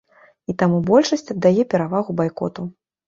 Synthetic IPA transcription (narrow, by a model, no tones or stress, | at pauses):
it̪amubɔlʲʂɐsʲt͡sʲɐd̪ːajɛpʲɛɾavaɣubajkɔ̰t̪u